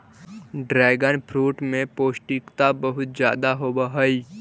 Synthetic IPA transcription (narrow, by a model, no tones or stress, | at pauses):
ɖɾɛːɡənpʰɾuːʈmẽpoːsʈɪkt̪abəɦʊt̪̚d͡ʒja̰ːd̪aɦoːbaɦəi